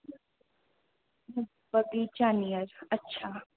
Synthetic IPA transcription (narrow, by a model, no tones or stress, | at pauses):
bɐɡid͡ʒaːnijəɾɐtːʃʰa